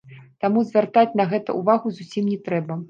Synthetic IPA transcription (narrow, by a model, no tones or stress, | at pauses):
t̪amuzʲvʲɛrt̪at͡sʲnɐɣɛt̪ɐ̰ʔuvaɣuzusʲimnʲɛt̪ɾɛbɐ